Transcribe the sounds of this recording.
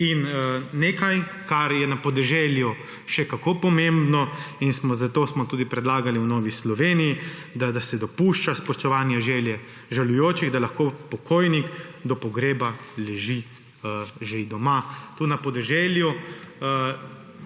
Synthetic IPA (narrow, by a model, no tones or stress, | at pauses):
inneːkaj | kaɾjɛnapɔd̪ɛʒɛlju | ʃɛkakoːpɔmẽmbnɔinsmɔzat̪oːsmɔt̪uːd̪ipɾɛd̪laːɡaliwnɔːʋislɔʋeːnijid̪ad̪asɛd̪ɔpuːʃt͡ʃaspɔʃt̪ɔʋaːnjaʒɛljɛ | ʒalujoːt͡ʃiɣd̪alaxkoːpɔkʰoːjnikd̪ɔpɔɡɾeːbalɛʒi | ʒed̪ɔmat̪unapɔd̪ɛʒɛlju